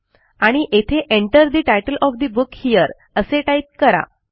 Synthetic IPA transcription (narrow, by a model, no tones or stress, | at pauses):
aɽ̃iʔet̪ʰeʔeɳʈəɾd̪iʈajʈəlʔɔfd̪ibukhijəɾ | əseʈajt̪̚kəɾa̰